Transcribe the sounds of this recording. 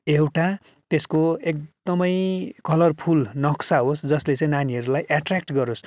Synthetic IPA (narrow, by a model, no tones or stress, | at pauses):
ewʈa | t̪eskoek̚d̪ʌmʌjkʌlʌrpʰulnʌksaɦosd͡zʌslet͡sʌ̃ĩnaniɦʌɾulajʔaʈrakʈɡʌɾos